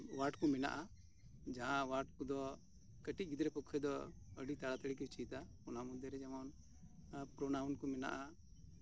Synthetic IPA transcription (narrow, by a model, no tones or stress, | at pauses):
waʈkumɛna̰ʔa | d͡ʒaɦãwaɾʈkud̪ɔ | kəʈit̪̚ɡid̪ɾɛpɔkʰːɛd̪ɔ | əɖit̪aɽat̪əɽik̬ɛt͡ʃit̪akɔnamud̪jɛɾɛd͡ʒamɔn | pɾɔnawnkumɛna̰ʔa